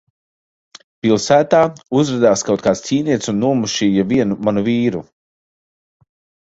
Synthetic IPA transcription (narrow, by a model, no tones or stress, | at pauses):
pilˠsæːt̪aːuzɾad̪aːskawt̪̚kaːst̪ʲiːniɛt̪sunːuɔmuʃiːjaviɛnumanuviːɾu